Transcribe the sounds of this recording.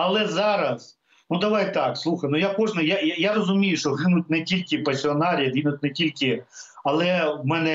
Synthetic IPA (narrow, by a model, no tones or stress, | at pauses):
ɐlˠɛzɑɾɐz | nud̪ɐʋɑjt̪ɑkslˠuxɐjnʊjakɔʒnɪjajajaɾɔzʊmʲijʊʃt͡ʃɔɦɪnʊt̚ʲnɛtʲilʲkʲɪpɐsʲiɔnɑɾʲɐd̪ʲʋʲinʊt̚ʲnetʲilʲkɪɐlˠɛwmɛnɛ